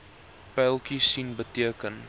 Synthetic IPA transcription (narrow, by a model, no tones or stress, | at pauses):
pɛlˠkisinbətiəkən